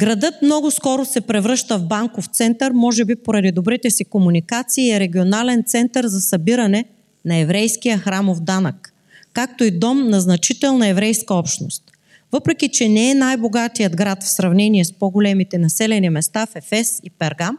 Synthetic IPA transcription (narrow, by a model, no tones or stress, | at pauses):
ɡɾɐd̪ɤt̪mnɔɡʊskɔɾosɛpɾɛvɾɤʃt̪əvbaŋkoft̪sɛnt̪ɐɾmɔʒɛbipoɾɐd̪id̪obɾit̪ɛsikomunikat̪siːɛɾɛɡʲionalɛnt̪sɛnt̪ɐɾzɐsɐbiɾɐnɛ | nɐɛvɾɛjskijəxɾamovd̪anəkː | ak̚t̪oid̪ɔmnɐznɐt͡ʃit̪ɛlˠnɐɛvɾɛjskɐɔpʃnost̪̚ | vɤpɾɛkʲit͡ʃɛnɛɛnajboɡat̪ijəd̪ɡɾat̪fsɾɐvnɛniɛspoɡolɛmit̪ɛnɐsɛlɛnimɛst̪afɛfɛsipɛɾɡam